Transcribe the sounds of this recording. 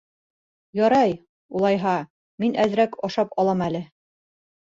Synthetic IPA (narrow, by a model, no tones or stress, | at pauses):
jɒɾɑj | ulˠɑjɦɑ | minæðɘ̆ɾækɑʃɑpɒlˠɑmælɘ